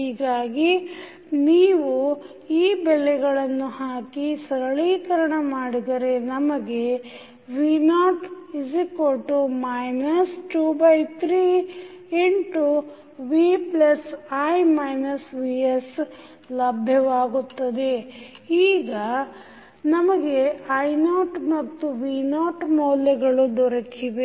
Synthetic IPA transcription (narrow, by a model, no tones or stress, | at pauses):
ɦiːɡaːɡi | niːʋu | iːbɛlːɛɡɐɭɐnːuhaːkisɐɾɐɭiːkɐɾɐɳɐmaːɽid̪ɐɾe̞nɐmɐɡe̞ | ʋinaːʈid͡ʒikoʈːumɐjnɐsʈuːbɐjt̪ʰɾiːeɳʈu | ʋiplɐsɐjmɐjnɐsʋies | lɐbʱjɐʋaːɡut̪ːɐd̪e̞iːɡɐ | nɐmɐɡe̞ɐjnoːʈmɐt̪ːuʋiːnaːʈmoːlɐɡɐɭud̪ɔɾɐkiʋe